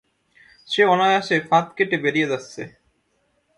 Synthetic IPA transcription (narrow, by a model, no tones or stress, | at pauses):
ʃeɔnaeaʃekãt̪keʈebeɾijed͡ʑat̪ːɕʰe